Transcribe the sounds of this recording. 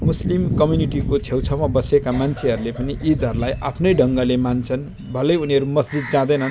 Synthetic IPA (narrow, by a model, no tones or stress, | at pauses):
muslimkʌmjuniʈikot͡sʰewt͡sʰʌmʌbʌsekamant͡sʰeɦʌɾulepʌniʔid̪ʌɾulajʔapʰnʌjɖʱʌŋɡʌlemant͡sʰʌn | bʱʌlʌjuniɦʌɾumʌsd͡zid̪̚d͡zãd̪ʌjnʌn